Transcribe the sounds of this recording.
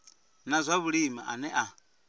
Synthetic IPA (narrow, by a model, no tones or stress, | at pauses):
nazʷaβuɺima̰ʔanɛʔa